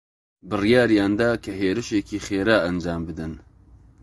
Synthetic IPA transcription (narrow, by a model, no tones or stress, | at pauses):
bɨrijaːɾijɑːnd̪aːkʰɐɦeːɾɨʃeːkiːxeːɾaːʔɐnd͡ʒaːmbɨd̪ɨn